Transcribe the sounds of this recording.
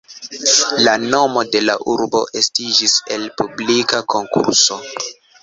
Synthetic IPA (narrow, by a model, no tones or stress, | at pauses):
lano̞mo̞de̞la̰ʔuɾbo̞̰ʔe̞stid͡ʒise̞lpublikakʰo̞ŋkṵɾso̞